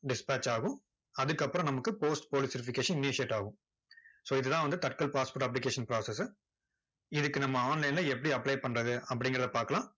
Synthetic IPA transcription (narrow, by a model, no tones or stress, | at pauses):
ɖɪspaːt͡ʃaːɣʊ̃ | ɐðɯkːɐpːɯɾɔ̃nɐmɐkːɯpoːsʈpoːlɪsɪɾɪfɪkeːʂɐnɪnɪsɪeʈːaːɣʊ̃ | soːɪðɯt̪ãːʋɐnd̪ɯt̪ɐʈ̚kɐlpaːspoːɾʈɐp̬ːlɪkeːʂɐnpɾaːsɛsɯ | ɪðɯkːɯnɐmːɐaːnlɐɪnlɐɛpːɐɽiɐpːɐɭɐɪpɐɳrɐðɯɐpːɐɽɪŋɡɐɾɐðɐpaːɾkɐlãː